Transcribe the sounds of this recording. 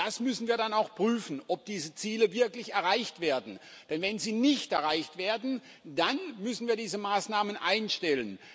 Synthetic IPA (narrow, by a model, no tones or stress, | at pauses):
d̥asmʏsn̩viːɐɾanaʊxpʁ̥yːfn̩ʔɔp̚d̥iːzət͡siːləvɪɐklɪçɛɐʁaɪçtv̥eːɐdn̩ | d̥ɛnvɛnziːnɪçtɛɐʁaɪçtv̥eːɐdn̩ | d̥anmʏsn̩viːɐdiːzəmaːsnaːmənʔaɪnʃtɛlən